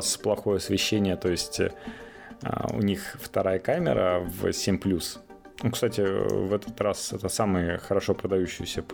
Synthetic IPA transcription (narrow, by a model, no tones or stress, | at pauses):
splˠɐxo̞jəɐsvʲɪɕːenʲɪjət̪o̞jɪsʲtʲ | ʊ̰nʲixft̪ɐɾajəkamʲɪ̰ɾə̰vsʲemʲplʲus | nukst̪atʲɪvɛt̪ʰə̥t̪ɾasɛt̪əsamɨjəxəɾɐʂo̞pɾəd̪ɐjuɕːɪjsʲəp